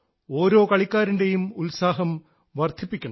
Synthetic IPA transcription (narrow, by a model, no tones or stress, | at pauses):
o̞ːɾo̞ːkɐɭikʲːaːɾinde̞jumulsaːɦɐm | ʋɐrd̪ʱipːikʲːɐɳɐ